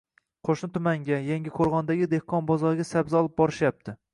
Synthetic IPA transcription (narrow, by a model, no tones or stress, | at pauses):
qʰoʃnɪt̪ʰʊmaŋɡʲajaŋɡʲɪkʰoɾʁɒnd̪aɡʲɪd̪ehqʰɒnbɒzɒɾɡʲasabzɪɒlˠɪp̚bɒɾɪʃjap̚t̪ʰɪ